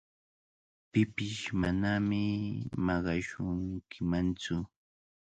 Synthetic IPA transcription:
pɪpɪʃmanamɪmɑɢɑʃʊŋkʰɪmant͡sʊ

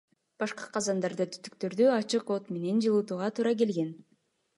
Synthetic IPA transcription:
b̥ɑʃqɑ̥qʰɑzɑnd̪ɑɾd̪ɯt̪ʰy̥t̪y̥k̚t̪ø̞ɾd̪yɑt͡ʃɯqo̞t̪me̞ne̞nd͡ʒɯlˠɯt̪uːʁɑt̪ʰuːɾɑk̬e̞lɡe̞n

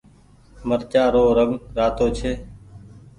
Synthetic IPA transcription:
məɾt͡ʃaːɾoːɾəɡɾaːt̪oːt͡ʃʰeː

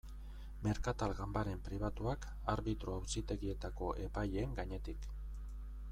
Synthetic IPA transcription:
me̞ɾkat̪alɣambaɾe̞mpɾiβat̪uak | aɾβit̪ɾoawsit̪e̞ɣie̞t̪ako̞ʔe̞paje̞ŋɡaɲe̞t̪ik

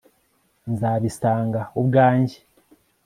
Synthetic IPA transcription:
nzaːβisaːŋɡaubɡaːɲɟe̥

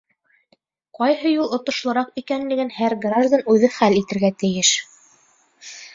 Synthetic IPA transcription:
qɑjɦɤjulˠŏt̪ŏʃlˠɤ̆ɾɑqikænlɘ̆ɡɘnhæɾɡraʒd̪anʉðɘχælit̪ɘ̆ɾɡæt̪ɘ̆jɘʃ

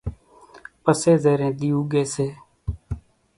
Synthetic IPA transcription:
pəseːzeːɾẽːɗ̪ijũːɡeːseː

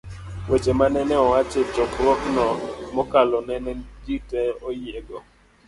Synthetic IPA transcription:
wet͡ʃemanɛnɛɔwat͡ʃet͡ʃɔkɾɔknɔmɔkalɔnɛnɛd͡ʒitɛɔjeɡɔ

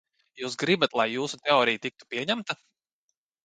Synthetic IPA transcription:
juːsɡɾibat̪lˠajːuːsut̪eɔːɾijt̪ik̚t̪u̥piɛɲæmt̪a

